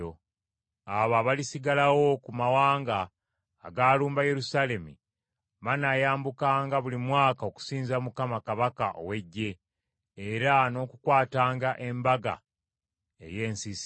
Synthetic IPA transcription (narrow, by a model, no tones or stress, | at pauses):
o | aβaːβalisiɡalawo̞kumawaːŋɡa̰ː | ɡaːluːmbaje̞ɾusaːle̞mḭ | manaːjaːmbukaːŋɡaβulimwaːkao̞ku̥siːnzamukamakaβakaʔo̰we̞ɟːe̞ː | ɾano̞ːkukwaːtaːŋɡaʔe̞mbaɡa̰ | e̞̰je̞ːnsis